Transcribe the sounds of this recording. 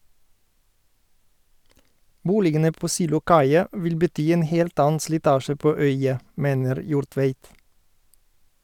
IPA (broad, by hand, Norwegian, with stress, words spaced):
ˈbuːlɪɡənə ˈpoː ˌsiːlʊˈkɑɪɑ ˈʋɪl bəˈtyː ˈeːn ˈheːlt ˈɑːən slɪˈtɑːʃə ˈpoː ˈœʏɑ ˈmeːnəɾ ˈjuːɾˌtʋeɪt